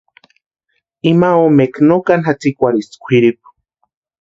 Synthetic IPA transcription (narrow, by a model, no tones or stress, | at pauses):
imaomeknokanxat͡sikʷaɾiskʷʰiɾip̚